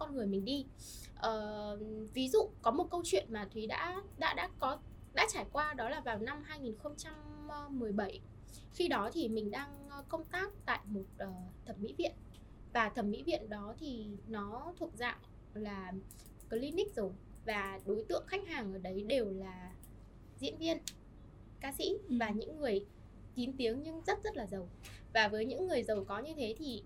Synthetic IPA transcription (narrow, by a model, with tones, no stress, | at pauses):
kɔ˧nŋɨ˨˩əjmï˨˩ŋ̟ɗi˧ | ʔəː˨˩vi˨˦zṵ˧˨kɔ˨˦mo˨˩t̚kə˧wt͡ɕwḭ˧˨ənmaː˨˩t̪ʰwi˨˦ɗa̰ː˧˥ɗa̰ː˧˥ɗa̰ː˧˥kɔ˨˦ | ɗa̰ː˧˥t͡ɕaː˧˩jkwaː˧ɗɔ˨˦laː˨˩vaː˨˩wna˧mɦaː˧jŋi˨˩nxə˧wŋ͡mt͡ɕa˧mː˧ɨ˨˩əjɓə˧˩j | xi˧ɗɔ˨˦t̪ʰi˨˩mï˨˩ŋ̟ɗaː˧ŋ˨kə˧wŋ͡mt̪aː˦˥k̚t̪a̰ː˧˨jmo˨˩t̚ʔəː˨˩t̪ʰə˧˩mmḭ˧˥vḭ˧˨ən | vaː˨˩t̪ʰə˧˩mːḭ˧˥vḭ˧˨ənɗɔ˨˦t̪ʰi˨˩nɔ˨˦t̪ʰu˨˩ək̚za̰ː˧˨ʔ | laː˨˩ | kɔ˨˦li˧nï˦˥k̟̚zə˨˩w | vaː˨˩ɗo˨˦jt̪ɨ̰˧˨əŋxa˦˥jk̟̚haː˨˩ŋʔəː˧˩ɗə˨˦jɗe˨˩wlaː˨˩ | zḭ˧˥ənvi˧ən | kaː˧sḭ˧˥vaː˨˩ɲɨ̰˧˥ŋːɨ˨˩əj | t͡ɕi˨˦nt̪i˨˦əŋɲɨ˧ŋzə˦˥t̚z̥ə˦˥t̚laː˨˩zə˨˩wvaː˨˩vəː˨˦jɲɨ̰˧˥ŋːɨ˨˩əjzə˨˩wkɔ˨˦ɲɨ˧t̪ʰe˨˦t̪ʰi˨˩